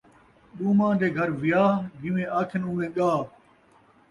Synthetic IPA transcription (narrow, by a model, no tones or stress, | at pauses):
ɗuːmãːd̪eːɡʱəɾʋɪjaːɡɪʋẽːʔaːkʰɪnʊmẽːɠaː